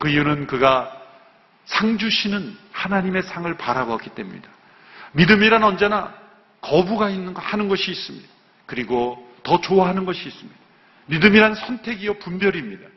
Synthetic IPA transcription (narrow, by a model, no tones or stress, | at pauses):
kɯiunɯnkɯɡa | sʰaŋd͡ʑuɕʰinɯnhanaɲime̞sʰaŋɯɭpaɾaboak͈i̥t͈e̞mṵɲḭd̥a | midɯmiɾanʌnd͡ʑe̞na | kʌbuɡainːɯhanɯnɡʌɕʰiːs͈ɯmɲid̥a | kɯɾiɡotʌt͡ɕoaɦanɯnɡʌɕʰiːs͈ɯmɲid̥a | midɯmiɾannsʰʌntʰe̞ɡijʌpumbjʌɾimɲida